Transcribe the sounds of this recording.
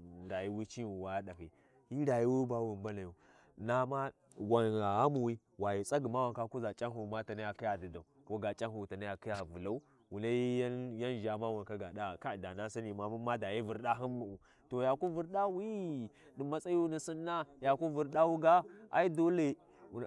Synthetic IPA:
da˨ji˦wi˦t͡ʃi˦u˨wa˨jda˨ki˨ | hi˦da˨ji˦wu˦ba˦wu˨mba˦na˨ju˨ | na˦ma˦ | wa˨na˨a˦mu˨wi˦ | wa˨ji˨t͡sʼa˦ɡi˨ma˦wa˨ka˦ku˦za˨t͡ʃʼa˦nhu˨ma˦ta˨na˦ja˨ki˦ja˨di˨da˨u˨ko˦ɡa˨t͡ʃʼa˦nhu˨ta˨na˦ja˨ki˦ja˨vu˨la˦u˦ | wu˨na˦ji˦ja˦nʒa˨ma˦wa˨nka˦ɡa˨da˦˨ka˦˨da˨na˦si˦ni˨ma˨mu˦ma˦da˨ji˦vu˨ɾɗa˦ɦi˦nu˨u˨ | to˨ja˨ku˦vu˨ɾɗa˦wi˦ | di˨ma˦sa˦ju˦ni˨si˦nːa˦ja˨ku˦vu˨ɾɗa˦wu˦ɡa˦a˦i˦do˦le˨

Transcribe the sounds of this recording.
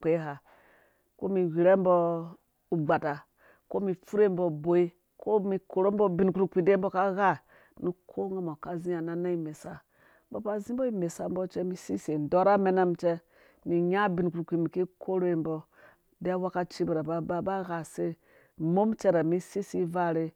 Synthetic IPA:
k͡pe˦ɦa˨ | ko˦mi˨wi˨ɾe˦m˦bɔ˦ | u˨ɡ͡ba˨ta˨ | ko˦mi˨fu˦ɾe˦mbo˨bo˨i˦ | ko˦mi˨ko˨ɾo˦mbo˦bi˨n˨ku˦ɾu˨ki˨de˦bo˦ka˦ɣa˦ | ni˦kʰo˦ŋɡa˦mo˨ka˦zi˦a˨na˦na˦i˦me˨sa˦ | ba˨ba˦zĩ˦bo˦i˦me˨sa˦m˦bo˦t͡ʃe˦mi˦si˦se˨n˨do˦ɾa˦me˦na˦mt͡ʃɛ˦ | mi˨ɲa˦bi˨n˨ku˨ɾu˨kʷi˨mi˨ki˦kʰo˦ɾo˦i˦mbɔ˦ | de˦a˦wa˦ka˦t͡ʃi˦bi˨ɾa˨ba˨˦ba˦ba˦ɣa˨se˦ | mo˦mt͡ʃe˦ɾa˨mi˦si˦si˦va˦˨ɾe˦

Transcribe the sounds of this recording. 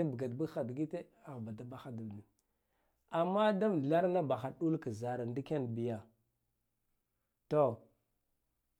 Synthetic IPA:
bə˨ɡa˨dbə˦ɡxa˨dɡi˦te˦ | a˨ɣba˨da˦ba˨xa˨du˨bni˨ | a˨mːa˦da˦m˨ɮa˦ɾna˦ba˨xa˨ɗu˦lka˨za˨ɾa˨ndi˦ke˦n˨bi˨ja˨ | to˦˨

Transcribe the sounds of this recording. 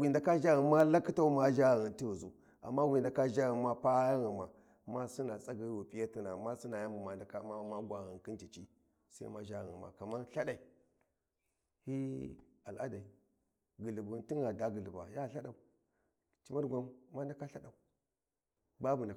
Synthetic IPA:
wi˨nda˨ka˦ʒa˦ɣi˨ma˦la˦ki˦ta˦u˦ma˦ʒa˦ɣɣi˨nti˦ɣu˨zu˨ | a̰˨mːa˦wi˨nda˨ka˦ʒa˦ɣi˨ma˦pa˦ja˦ɣi˨ma˨ | ma˦su˦na˨t͡sʼa˦ɡi˨˦wu˨pʼi˦ja˦ti˦na˨ma˦si˦na˨ja˦mbu˨ma˨nda˨ka˦ma˦ma˦ɡʷa˨ɣi˨nki˦nt͡ʃi˨t͡ʃi˦ | sa̰˦ḭ˦ma˦ʒa˦ɣɣḭ˨ma̰˨ka˨ma˦ɬa˦ɗa˨i˨ | hi˦ | a˨la̰˦da˨i˨ | ɡə˨li˨bu˨nti˦ŋɡa˨da˨˦ɡə˨li˨ba̰˨ja˦˨ɬa˦ɗa˨u˨ | t͡ʃi˦ma˦ɾɡʷa˦mma˦n˦da˨˦ka˦ɬa˦da˨u˨ | ba˦bu˨n˨da˨

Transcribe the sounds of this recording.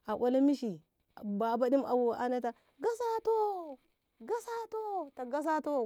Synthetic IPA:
a˨wʷa˦la˦mi˦ʃi˨ | ba˨ba˦di˦mʔa̰˨wu˨a˦na˦ta˦ | ɡa˦sa˦to˦ | ɡa˦sa˦to˦ta˨ɡa˦s̬a˦to˦

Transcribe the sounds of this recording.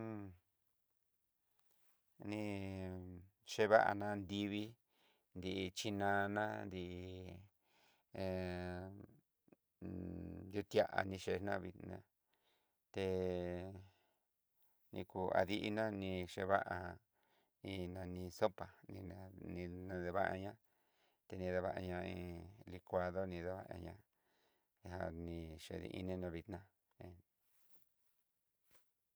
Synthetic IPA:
nĩ˧ | ʂe˧βa˦ʔa̰˧nã˧nd̪i˧βi˦ | nd̪i˧ʔi˧t͡ʃi˧nã˧nã˦nd̪i˧ʔ | ju˦˧t̪ja˧ʔa̰˨nĩ˧ʃe˧nã˦˧βi˧nã̰˧ | t̪e˧ | nĩ˧ku˧a̰˧ði˦ʔi˧˦nã˦nĩ˧ʂe˧βa˦ʔa˧ | ĩ˧nã˧nĩ˧so˦pa˨nĩ˧nã˧nĩ˧nã˧ðe˧βa˦ʔa˧ɲã˦ | t̪e˧nĩ˧ða˧βa˧ʔa˧ɲã˧ĩ˧li˧kʷa˧ðo˦nĩ˧ða˧βa˦˧ʔa˧ɲã̰˧ | ɦa˧nĩ˧ʂḛ˧˨ðḭ˧ʔḭ˦˧nĩ˦nã˧βi˧t̪nã˦ | ẽ˧˨

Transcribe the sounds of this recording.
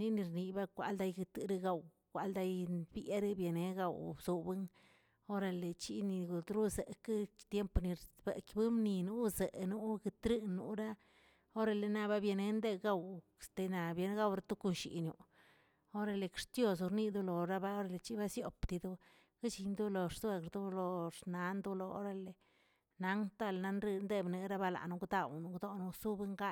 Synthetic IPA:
ni˦ni˧ɾni˨ba˦kʷa̰˧ld̪a˧jɡɨ˧t̪ɾi˧ɡa˧w | kʷa˧ld̪a˧jbje˦ɾbje˨ne˧˦ɡa˨wbz̥u˧bɨ˦ŋ | o˦ɾa˧le˨t͡ʃi˦ni˧ɡu˨d̪ɾu˦ze˨kɨ˦t̪je˦mpni˧ɾbḛ˨kbɨ˦mni˧nu˦ze˨nu˦ɡɨ˧t̪ɾɨ˦nːṵ˨ɾa˦ | o˦ɾa˧le˧na˧ba˦bje˧ne˧nd̪e˦˧ɡa˦w | st̪e˧na˨bje˧˦n˦ɡa˦˧wɾa˦t̪u˦ku˧nʃḭ˨nju˨ | o˦ɾa˧le˨kɾt̪jo˧s̬u˧ɾni˦d̪u˦lo˨ɾa˦ba˦o˦ɾa˧le˧t͡ʃi˦ba˦sjo˨pt̪i˧d̪u˦ | ɡi˦t͡ʃi˧nd̪u˦lo˨ɾsu˦e˧kɾd̪u˦lo˧ɾna˨˦nd̪u˦lo˧o̰˦ɾa˧le˨ | na˦ŋt̪a˦lna˧nɾi˧nd̪e˦bne˧ɾa˦ba˧la̰˨nu˧ɡd̪a˦˧wnu˧ɡd̪o˦nu˧su˦be˧ŋɡa˦

